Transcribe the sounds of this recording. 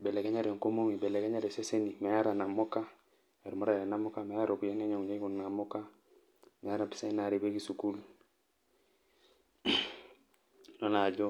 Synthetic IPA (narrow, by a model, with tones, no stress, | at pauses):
be˨le˨ka˦ɲa˦ɾe˨ŋko˦mo˦ŋi˨be˨le˨ka˦ɲa˦ɾe˨se˦se˦ni˨me˨ja˦ɾa˨na˨mo˦ka˦ | e˨ɾu˨mo˦ɾa˦˨ɾe˨na˦mo˦ka˦me˨ja˦ɾo˨bu˨ja˦n˦e˦ɲo˨ŋu˨ɲe˦ɡu˨nːa˨mo˦ka˦ | me˨ja˦ɾa˨pi̥˦sa˦i˦na˦ɾi˨be˦ɡi˨su˨ku˦l | no˦na˨ɟo˦